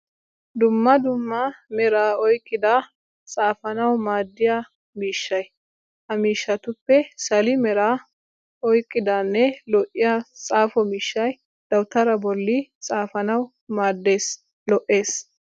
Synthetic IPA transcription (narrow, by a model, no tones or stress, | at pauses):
d̪ʊmːɐd̪ʊmːɐmɛɾaːɔjkʼːɪd̪a | t͡sʼaːfɐnɐwmaːd̪ːɪjaː | miːʃːɐj | hɐmiːʃːɐt̪ʊpːɛsɐlɪmɛɾaː | ɔjkʼːɪd̪anːɛlɔʔɪjat͡sʼaːfɔmiːʃːɐj | d̪̥ɐwt̪ɐɾɐbɔlːɪt͡sʼaːfɐnɐw | maːd̪ːeːs | lɔʔe̞ːs